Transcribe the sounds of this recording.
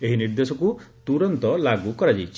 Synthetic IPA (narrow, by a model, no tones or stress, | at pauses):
eɦiniɾd̪esɔkut̪uɾɔnt̪ɔlaɡukɔɾad͡ʒit͡ʃʰ